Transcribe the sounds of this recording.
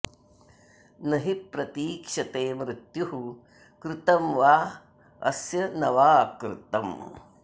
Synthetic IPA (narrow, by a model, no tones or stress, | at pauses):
nɐɦipɾɐt̪iːkʂɐt̪eːmɾɪt̪juɦu | kɾɪt̪ɐmʋaː | ɐ̰sjɐnɐʋaːkɾɪ̰t̪ɐm